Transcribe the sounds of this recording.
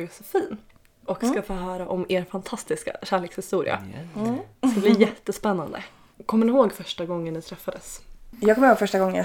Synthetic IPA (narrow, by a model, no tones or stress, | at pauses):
ɡsɔfiːn | ʔɔkskafoːɦœːɾaʔɔmeːɾfant̪ʰast̪ɪska̰ɕæːɭeːkshɪst̪uːɾɪ̰a̰ | skblijɛt̪ːəspɛnːand̪ə̰ | kʰɔmːənɪɦoːɡfœʂʈaɡɔŋːənːɪt̪ʰɾɛfːad̪əsjɑːɡkʰɔmɪɾhoːɡfœʂʈaɡɔŋːə